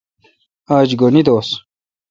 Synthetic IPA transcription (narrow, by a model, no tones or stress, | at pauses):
aːd͡ʑɡonid̪oːs